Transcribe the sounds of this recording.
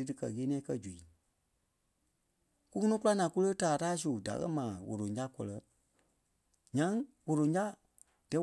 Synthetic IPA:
ɨ˨˦dɨ˧kɜ˧˨ɣeː˧˦nĩ˦ã˧˦kɜ˧d͡ʒu˨i˨ | ku˦ŋɔ˦nɔ̃˦ku˦la˦nãː˨˧ku˦lə˦taː˨taː˦s̬u˨da̰˨ɣɜ̰˦mãː˨wo̰˨ɾõ˨d͡ʒa˦kɔ˧lɜ˧ | ɲã˧˦ŋ | wo˨ɾõ˨d͡ʒa˦ | d̥ɛ˨˦

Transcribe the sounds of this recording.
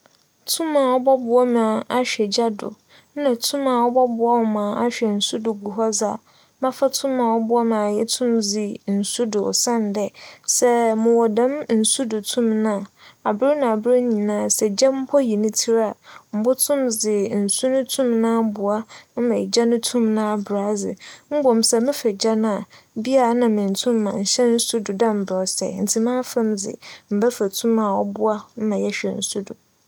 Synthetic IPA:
tʰũ˦mã˨ɔ˦bɔ˦bʊ˨a˦mã˨a˨ɕᶣɛ˨d͡ʑa˦dʊ̰˨ | n̩˦nã˨tʰũ˦mã˨ɔ˦bɔ˦bʊ˨˦a˦wɔ˨mãː˨a˦ɕᶣɛ˨n̩˨su˦dʊ˨ɡu˨ɦɔ˦d͡za̰˨ | mã˦fa˦tʰʊ̃˦mã˨wɔ˦bʊ˦a˦mã˨jɛ˦tʰũ˦md͡zɪ˨n̩˨su˦dʊ˨sã˦n˨dɛ˨sɛ˦mʊ̃˨wɔ˨dã˦mn̩˨su˦dʊ˨tʰũ˦mnã˦˨˦a˨bɾɪ˦nã˨a˨bɾɪ˦ɲĩ˨nãː˦˨sɛ˨d͡ʑɛ̃˦m̩˦pʰɔ˦ji˨nʊ̃˦tʰi˦ɾa˨m̩˨bʊ˦tʰʊ̃˦md͡zɪ˨n̩˨su˦nʊ̃˦tʰũ˦mnãː˦bʊ˨a˦m̩˦mã˨d͡ʑa˦nʊ̃˦tʰũ˦mnã˦˨bɾa˨˦d͡zɪ̰˨m̩˦bɔ˨msɛ˨mɪ̃˦fɛ˨d͡ʑa˦nã˨bi˦a˨a˨nã˨mɪ̃˨n̩˨tʰũ˦mːã˨ɲ̩˨ɕɛ˦n̩˦su˦dʊ˨dã˦m̩˨bɾɔ˨˦sɛ̰˨n̩˨tʰi˨˦mãː˦fã˦md͡zɪ̰˨m̩˨bɛ˦fæ˨tʰũ˦mã˨ɔ˦bʊ˦a˦m̩˦mã˨jɛ˦ɕᶣɛ˨n̩˨su˦dʊ˨

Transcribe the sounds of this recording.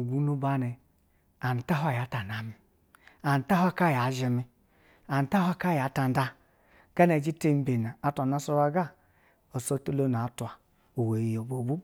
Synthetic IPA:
ɡʷu˦nu˦ba˦ne˨ | a˨ni˨ta˦ɦa˦ja˨˦ta˨na˨mi˨ | a˨n˨ta˦ɦʷa˦ka˦˨ja˨˦ʒi˨mi˦ | a˨n˨ta˦hʷwa˦ka˦˨ja˨˦ta˨n˦da˦ | ɡ̥a˦ne˨d͡ʒi˦te˦m˦be˨na˨a˨˦tʷa˨na˦so˦ɾa˦ɡa˦ | o˨so˦te˦lo˦na˨˦twa˨ | o˨we˨i˨jo˨bo˨bu˦

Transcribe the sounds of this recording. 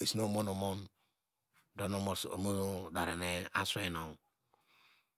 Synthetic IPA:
i˨sno˦˨mo˦no˨mo˦n | do˦no˨mo˦˨so̰˨mo˦no˦da˨ɾe˨ne˦a˦swe˦no˨ŋ

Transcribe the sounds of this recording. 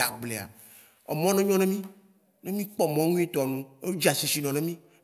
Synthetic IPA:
a̰˨ɡ͡ble˨a̰˨ | ɛ˨mɔ̃˦nẽ˦ɲɔ̃˦nẽ˦mĩ˦ | nẽ˦mĩ˦k͡pɔ˦mɔ̃˦ŋũ˦i˦t̪ɔ˨nũ˦e˦d͡ʒi˦a˨si˨si˨nɔ̃˨nẽ˦mĩ˦

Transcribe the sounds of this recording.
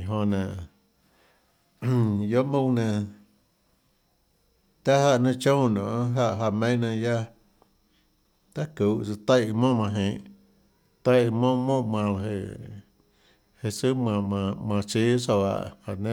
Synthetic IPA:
i˨ɦõ˧nã˨ | jo˦ʔmũ˦˧nã˧ | t̪a˦ha˧ʔnẽ˦˧t͡ʃõ˦˨nõ˨˦ɦa˦˧ʔɦa˧˨mẽ˦nã˧ja˦ | t̪a˦ku˨ʔt͡sa˧t̪a˦jʔmõ˦˨mã˧ɦẽ˨ʔ | t̪a˦jmõ˦mõ˦mã˧la˧ɦḛ˧˨ | he˧˨su˦mã˧ã˧mã˧˨t͡ʃi˦so˧˨a̰˧˨ʔha̰˧˨nẽ˦

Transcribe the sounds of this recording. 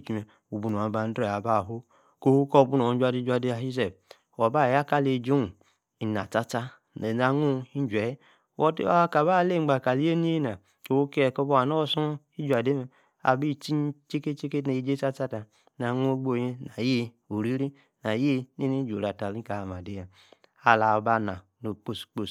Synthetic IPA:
t͡ʃi˦me˨ | u˨bu˨nu˨a˨ba˨n˦dɾe˦˨a˨ba˦˨ɦo˦ | ko˦ho˦ko˦˨bu˦no˨˦d͡ʒʷa˨di˦d͡ʒu˦a˨de˦a˨ɦi˦ze˨b | o˨ba˦˨ja˦ka˦le˨d͡ʒo˦˨ | i˨na̰˨t͡ʃa˦t͡ʃa˦ | e˨na˨˦ŋu˦i˦n˦d͡ʒe˨je˦ | wo˦tḭ˦a̰˦ka˨ba˦˨le˦˨ŋ͡mɡ͡ba˨ka˨li˦je˦ni˦e˦na˨ | o˨wo˦ke˦˨ko˦bo˦a˨no˦su˦i˦d͡ʒu˨a˨de˦me˨ | a̰˨bi˦˨t͡ʃi˦t͡ʃe˦ke˦t͡ʃe˦ke˦ne˨i˦d͡ʒe˦t͡ʃa˦t͡ʃa˦ta˨˦ | na˨ŋu˦o˦ɡ͡bo˦˨je˦na˨je˦ | u˨ɾi˦ɾi˦ | na˨je˦ne˦ni˦d͡ʒo˨ɾa˨ta˨li˦ka˨a˨ma˨de˦ja˨ | a˨la˨o˨ba˦na̰˨no˨k͡po˦˨sk͡po˦˨s

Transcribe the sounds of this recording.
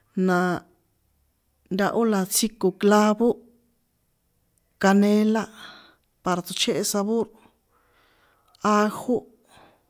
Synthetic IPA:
nã˨˧ | nd̪a˧ʔo˦la˧t͡si˦ko˨kla˦βo˦ | ka˧nẽ˦la˦ | pa˧ɾa˨t̪u˧t͡ʃe˦ʔe˧sa˧βo˦ɾ | a˦xo˦

